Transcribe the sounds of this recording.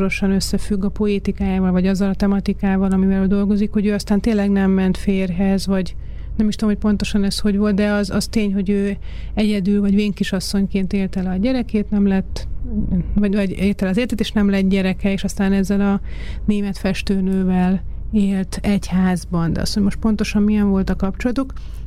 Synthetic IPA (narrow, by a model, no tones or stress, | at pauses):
ɾo̞ʃɒnø̞sːɛfyɡːɒpo̞eːt̪ikaːjaːvɒlvɒɟɒzːɒlɒt̪ɛmɒt̪ikaːvɒlɒmivɛløːd̪o̞lɡo̞zikho̞ɟøːɒst̪aːnt̪eːlɛɡnɛmːɛnt̪feːrɦɛzvɒɟ | nɛmiʃt̪omho̞c̚ʲpo̞nt̪o̞ʃɒnɛsho̞ɟvo̞lt̪̚d̪ɛɒzɒ̰zt̪eːɲɦo̞ɟøː | ɛɟɛd̪ylvɒɟveːŋkiʃɒsːo̞ɲkeːnt̪eːlt̪ɛlɒɟɛɾɛkeːt̪nɛmlɛt̪ː | vɒvɒɟeːlt̪ɛlɛɒzeːlt̪et̪eːʃnɛmlɛt̪̚ɟɛɾɛkɛeːʃɒst̪aːnɛzːɛlɒneːmɛt̪fɛʃt̪øːnøːvɛleːlt̪ɛchaːzbɒnd̪ɛ̰ɒ̰shojmo̞ʃt̪̚po̞nt̪o̞ʃɒmmijɛɱvo̞lt̪ɒkɒp̚t͡ʃo̞lɒt̪uk